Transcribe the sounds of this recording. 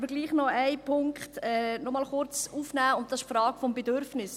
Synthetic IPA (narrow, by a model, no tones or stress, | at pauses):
bəɾɡliːχnɔajpʰʊŋkχtɛːnɔmɑlχʊɾt͡suːfnæːʊnt̚d̥ɑsɪʃfɾɑːɡ̥fɔmbedøɾfnɪs